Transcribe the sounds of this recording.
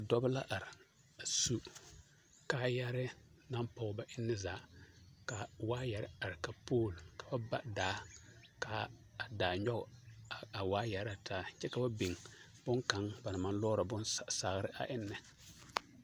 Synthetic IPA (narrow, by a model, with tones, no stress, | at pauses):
a˨dɔ˦bla˦ʔa˨ɾɪ˨ | a˨su˦ | kaː˨˦ja˦ɾɪ˦na˦mpɔ˨˦ba˦ʔɪ˦nːɪ˦zaː˨ka˨waː˦jɛ˨ɾɪ˦a˨ɾɪ˨ka˨poː˦˨lkḁ˨ba˦ba˦ʔdaː˨˦ka˨ | a˨daː˨ɲɔ˦ɡa˨waː˦jɛ˨ɾa˨taː˦t͡ʃɛ˦ka˨ba˦bi˨ŋ | b̥ʊ˦ŋka˨ŋba˨na˨ma˨n˦lɔː˦ɾa˨bʊ˦nsa˨ɣɾɪ˦ʔa̰˨ʔɪ˦nːɪ˨